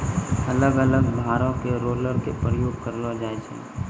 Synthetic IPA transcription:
ɐləɡələɡb̪ʱaːɾõkeɾoːləɾkepɾəjoːɡ̚kəɾlod͡ʒaːet͡ʃʰḛ̃

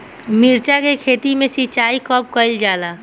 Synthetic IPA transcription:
miɾt͡ʃakekʰeːt̪imẽsit͡ʃaːikɔp̚kəɪld͡ʒaːlaː

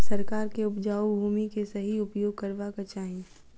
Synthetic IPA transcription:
sɐɾkaːɾkeʊpd͡ʒaːwbʱuːmikesɐɦiʊpjoːɡ̚kɐɾʋakat͡ʃaːɦẽ

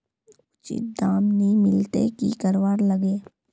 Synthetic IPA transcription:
ʊt͡ʃḭt̪̚d̪aːmnimɪlt̪ḛkḭkɐɾʋaːɾlɐɡeː

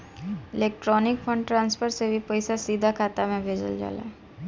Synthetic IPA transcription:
ɪleːk̚ʈɾɔːnɪk̚pʰə̃ɳɖʈɾãːnspʰəɾsebʱipəɪsasiːd̪ʱakʰaːt̪amẽbʱeːd͡ʒə̰ld͡ʒa̰ːla̰

